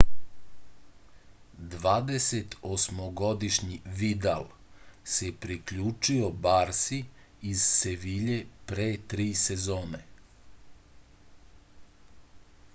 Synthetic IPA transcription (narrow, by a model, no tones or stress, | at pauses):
d̪ʋaːd̪eset̪osmoɡo̞d̪iʃɲiʋid̪al | sepɾikʎuːt͡ʃio̞baɾsiː | zseʋiʎepɾeːt̪ɾiːsezoːne